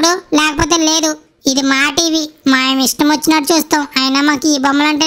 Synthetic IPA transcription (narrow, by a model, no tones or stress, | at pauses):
ɽulɛːkɐpoːt̪̬e̞ːle̞ːd̪u | id̪imaːʈiːʋimaːjɐmiʂʈɐmʋɐt͡ʃːinaːʈut͡ʃuːst̪aːmaːjɐnɐːmaːkuiːbɐmːulɐɳʈeː